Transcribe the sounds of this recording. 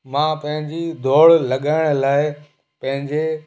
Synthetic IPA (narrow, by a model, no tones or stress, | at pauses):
mãːpɐ̃ɦɪ̃ɲd͡ʑid̪ʱoːɽlɐɠaːɪɽ̃laːɪ | pɐ̃ɦɪ̃ɲd͡ʑe